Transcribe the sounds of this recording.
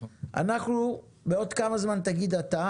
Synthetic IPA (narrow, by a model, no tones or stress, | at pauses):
ʔa̰naχnu | beo̞d̪kamazmant̪aɡid̪at̪a